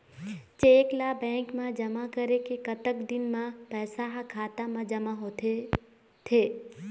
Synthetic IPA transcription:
t͡ʃeːklabɛ̃ːŋkmãd͡ʒɐmakəɾekekɐt̪əkd̪ɪnmãpɛːsaɦakʰaːt̪ãmãd͡ʒɐmaɦo | t̪ʰeː

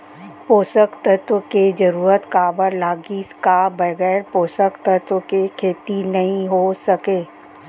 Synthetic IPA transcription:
poːsəkt̪ət̪wəked͡ʒɐɾuːɾət̪kabəɾlaːɡiskabɐɣɛːɾpoːsəkt̪ət̪wəkekʰeːt̪inɐɦĩɦosɐkeː

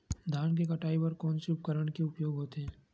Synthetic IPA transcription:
d̪ʱaːnkekɐʈaːipɐɾkɔːnseʊpkəɾəɽkeʊpjoːɡɦoːt̪eɦɛ̃ː

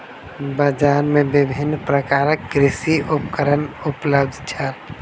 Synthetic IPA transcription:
bəd͡ʒaːnmẽbɪbʱɪnːpɾəkaːɾək̚ɡɾɪsiʔupkəɾənupləbd̪ʱt͡ʃʰal

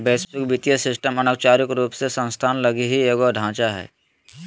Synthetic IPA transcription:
beːspɪkbɪt̪jəsɪsʈəmɐnə̃kt͡ʃaːɾɪkɾuːpsesə̃nst̪ʰaːnlɐɡiɦieːɡoɖʱãːt͡ʃaɦɛ̰ː

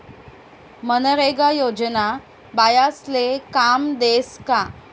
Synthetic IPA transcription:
mənəɾeɡajod͡ʑna | bajaslekamd̪eska

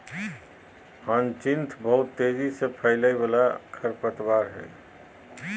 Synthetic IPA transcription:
hə̃nt͡ʃɪnt̪ʰbəɦut̪ːed͡ʒisepʰəɪləibalakʰəɾpət̪baːɾɦɛ̰ː

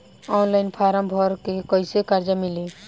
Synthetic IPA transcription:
ɔːnlaɪnpʰaːɾə̃mbʱɔɾkekɔɪsekaɾd͡ʒamɪli

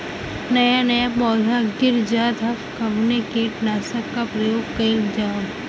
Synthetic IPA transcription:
nɐjanɐjapɔːd̪ʱaɡɪɾd͡ʒaːd̪ʱɐkkɐmnekeʈnaːsɐkːapɾɐjoːɡkɐild͡ʒaːn

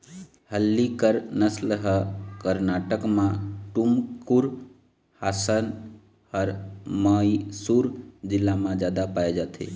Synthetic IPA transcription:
həlːikəɾnəsləɦəkəɾnaːʈəkmãʈumkuɾ | haːsən | həɾmaisuɾd͡ʒɪlːamãd͡ʒjaːd̪apaed͡ʒat̪ʰḛ

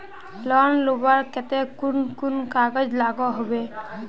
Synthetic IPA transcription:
lɔnlobaɹkɛt̪ɛkunkunkaɡɔd͡ʒlaɡɔɦobe

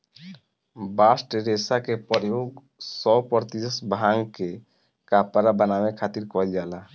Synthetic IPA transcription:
basʈɾesakepəɾjoɡ | sɔpəɾt̪iəsbʱaŋɡke | kapaɾabənamekʰat̪iɾkɔld͡ʒala

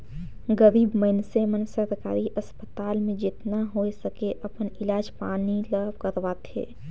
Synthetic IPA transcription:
ɡəɾiːbməɪnsemənsəɾka̰ːɾiʔəspət̪aːlmẽd͡ʒɪt̪naɦoesəkeʔɐpənɪlaːd͡ʒpa̰ːniləbkəɾʋaːt̪ḛː

